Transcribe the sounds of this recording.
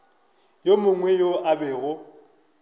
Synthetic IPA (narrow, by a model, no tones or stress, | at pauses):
jomʊŋwɛjoʔabɛːɣʊ